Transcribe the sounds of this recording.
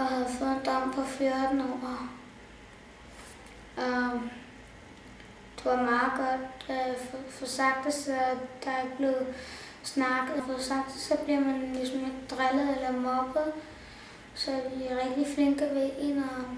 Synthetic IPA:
ɒhæð̩ˠfɔ̽ːðˠend̥ɒm̰pʰɒ̽fjɔɐd̥n̩ɒ̰ː | ɒ | d̥e̝ʋɑ̈mɑ̈ːð̩ˠɡ̥ɒ̽d̥ffɒsɑ̈ɡ̥̚d̥əsɒd̥ɑ̈eɡ̥̚b̥le̝ʊ | snɑ̈ɡ̥əð̩ˠfɒsɑ̈ɡ̥̚d̥sɒ̽b̥liɐmænlisɔme̝ɡ̥̚d̥ʁalð̩ˠelɐmɒɡ̥ð̩ˠ | sɒ̽ʋiʁɛɡ̥̚d̥ifle̝ŋɡ̥ɐʋeʔenɒ

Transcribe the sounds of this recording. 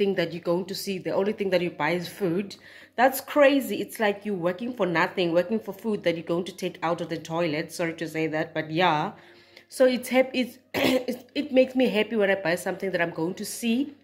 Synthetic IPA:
θɪ̃ŋðætjuɡoʊɪ̃ŋtʰusiðiʔõʊ̃nliθɪ̃ŋðætjubajzfud | ðætskʰɹ̥eɪziːtslaɪkʰjuwɛkɪ̃ŋfɔnaθɪ̃ŋwɛkɪ̃ŋfɔfud̚ðætjuɡowɪ̃ŋtʰu̥tʰeɪkʰawtɔvðətʰɔjlɛtsɔɹitʰuseɪðæt̚b̥at̚ja | soitshɛpits | it̚meɪksmiɦɛpiwɛ̃ñajbajsãmθɪ̃ŋðæɾãj̃mɡoʊɪ̃ŋtʰusi

